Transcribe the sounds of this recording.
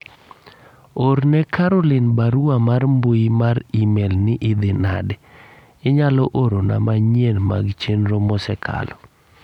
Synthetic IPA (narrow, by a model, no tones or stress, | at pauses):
oɾnɛkʰaɾɔlɪnbaɾuamarmboimaɾimelnɪʔɪd̪ɪna̰dɛ | ɪɲalɔʔoɾona̰maɲenma̰ɡt͡ʃenɾomɔsɛkʰa̰lɔ